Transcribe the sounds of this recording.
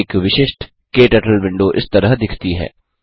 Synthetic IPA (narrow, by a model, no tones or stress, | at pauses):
kʋɪʃɪʃʈ | keːʈɐʈəlʋɪ̃ɳɖoʔɪ̰st̪ɐɾəɦd̪ɪkʰt̪iɦɛ̰ː